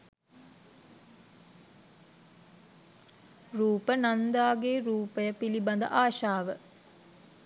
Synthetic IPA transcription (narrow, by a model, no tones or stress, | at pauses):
ruːpənand̪aːɡeɾuːpəjəpiliband̪ə̰ʔaːʃaːʋə